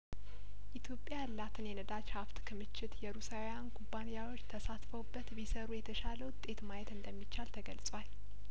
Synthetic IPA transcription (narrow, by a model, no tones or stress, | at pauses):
ʔit̪ʰjo̞pʼjalːat̪ʰɨnjɛnəd̪at͡ʃhaft̪kʰɨmɨt͡ʃːɪt̪jɛɾusawjankʰʼubːanijawo̞t͡ʃːt̪ʰəsat̪fəwbːət̪bisəɾujɛt̪ʰəʃaləwt̪ʼe̞t̪majɛt̪ɨnd̪əmːit͡ʃːalt̪ʰəɡəlsʼwal